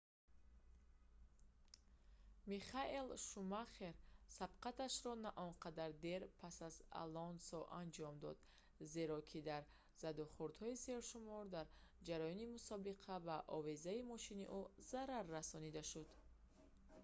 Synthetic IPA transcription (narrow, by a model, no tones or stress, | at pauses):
miχaʔelʃumaχeɾsab̥qat̪aʃɾɔnaʔɔnqad̪aɾd̪e̞ɾpʰasaza̰lɔnsɔʔand͡ʒɔmd̪ɔ̰d̪ | ze̞ɾɔkʰid̪aɾ | z̥ad̪ɔχuɾd̪hɔiseɾʃumɔɾd̪aɾd͡ʒaɾajɔnimusɔbiqʰavaʔɔvezaimɔʃiniʔuzaɾaɾːasɔnid̪aʃud̪